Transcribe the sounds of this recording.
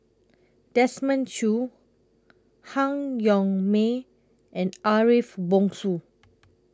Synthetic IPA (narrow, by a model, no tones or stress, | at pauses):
d̥ɛsmə̃nt͡ʃu | hãŋjɔ̃ŋme | ʔɛ̃naɹifbɔ̃ŋsu